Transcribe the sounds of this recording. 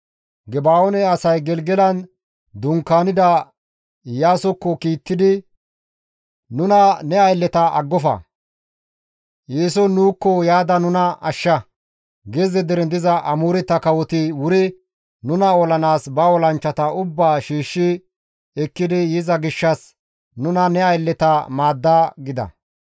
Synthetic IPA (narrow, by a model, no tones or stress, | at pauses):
ɡɛbaːɔnɛɐsɐjɡɛlɡɛlɐn | d̪ʊŋkːaːnɪd̪ɐ | jaːsɔkːɔkiːt̪ːɪd̪ɪ | nʊnɐnɛɐjlːɛt̪ɐɐ̰ɡːɔfɐ̰ | jeːsɔnuːkːɔjaːd̪ɐnʊnɐɐʃːɐ | ɡezɛd̪ɛɾɛnd̪ɪzɐʔɐmuːɾɛt̪ːɐkɐwɔt̪ɪwʊɾɪ | nʊnɐɔlɐnaːsbɐɔlɐnt͡ʃːɐt̪ɐʊbːaːʃiːʃːɪ | ɛkːɪd̪ɪjɪzɐɡɪʃːɐs | nʊnɐnɛɐjlːɛt̪ɐmaːd̪ːaːɡɪd̪ɐ̰